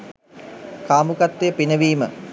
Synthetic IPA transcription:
kaːmukat̪ːejəpinəʋiːmə̰

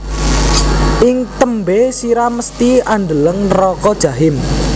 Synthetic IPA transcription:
ʔɪŋt̪əmbesiɾaməst̪iand̪ələŋrɔkɔd̥ʒ̥ä̤ɦɪm

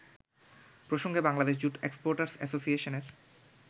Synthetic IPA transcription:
pɾoʃoŋɡebaŋlad̪eʃd͡ʑuʈekspoɾʈaɾsɛ̰sosieʃoneɾ

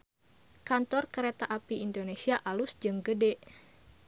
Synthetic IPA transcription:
kant̪ɔrkəɾet̪aʔapiindonesiaʔalusd͡ʒɨŋɡədɛʔ

